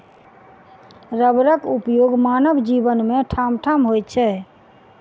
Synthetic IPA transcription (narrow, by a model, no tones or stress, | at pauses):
ɾəbɾəkupjoɡmanəbd͡ʒibənmẽʈʰamʈʰamɦojtt͡ʃʰɛ